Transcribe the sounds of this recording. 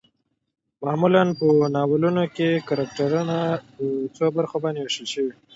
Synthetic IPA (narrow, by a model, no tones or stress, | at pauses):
mɑːmulanpənɑwalunokekaɾak̚ʈaɾunaət͡sobaɾxobɑnd̪ewaʃəlʃəwi